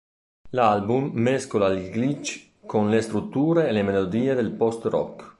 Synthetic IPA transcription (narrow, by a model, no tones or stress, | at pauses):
lalbumːeskolaliɡlit͡ʃ | konlest̪ɾut̪ːuːɾeːlemelod̪iːed̪elpɔst̪rɔ̰k